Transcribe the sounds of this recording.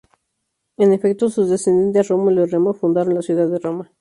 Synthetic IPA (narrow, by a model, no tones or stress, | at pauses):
enefek̚t̪osuzðesend̪ent̪aromoloremafund̪aɾonlasjuðaðeroma